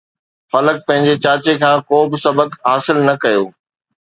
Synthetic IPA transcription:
fɐlək̚pɐ̃ɦɪ̃ɲd͡ʑet͡ɕaːt͡ɕekʰãːkoːbɪsɐbəkɦaːsɪlnɐkɐjoː

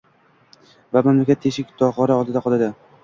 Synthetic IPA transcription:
vamamlakʲat̪ʰːeʃɪkʲt̪ʰɒqɒɾaɒlˠd̪ɪd̪aqʰɒlˠad̪ɪ

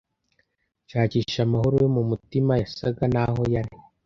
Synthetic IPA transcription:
caːciːʃamahoɾuwemumutimajasaɡanaɦo̞jaɾi

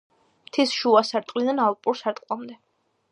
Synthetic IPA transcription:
mt̪ʰisʃuasaɾt̪ʼqʼlid̪analˠpʼuɾsaɾt̪ʼqʼwlˠamd̪ɛ

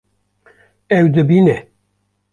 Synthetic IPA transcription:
ɛwd̪ɨbine

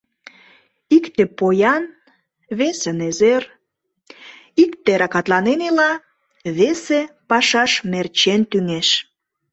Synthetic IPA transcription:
ikt̪epojɑn | βesənezer | ikt̪eɾɑkɑt̪lɑnenilɑ | βesepɑʃɑʃmert͡ɕent̪yŋeʃ

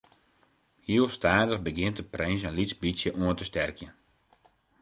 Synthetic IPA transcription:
hiəlˠstaːdəxbəɡɪəntəprɛnsənlisbisjəʔuəntəstɛrkjə

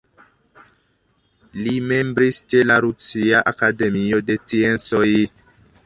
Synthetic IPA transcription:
limembɾist͡ʃelaɾusiaʔakademiodet͡siensoj

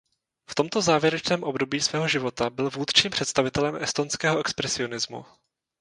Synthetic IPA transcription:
ft̪o̞mt̪o̞zaːvjɛɾɛt͡ʃnɛːmʔo̞bdo̞biːsvɛːɦo̞ʒɪvo̞t̪abɪlvuːt̪t͡ʃiːmpr̝̥ɛt̪st̪avɪt̪ɛlɛmʔɛst̪onskɛːɦoʔɛkspɾɛsɪo̞nɪzmṵ

